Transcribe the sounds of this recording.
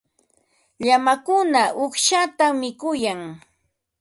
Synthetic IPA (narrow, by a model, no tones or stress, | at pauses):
ʎamakʊnaʔʊχʃat̪amːɪkʊjaŋ